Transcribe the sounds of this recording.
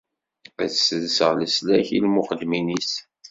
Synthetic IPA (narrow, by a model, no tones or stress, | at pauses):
æθsəðsəʁləslæçilmʊχəd̪ːminis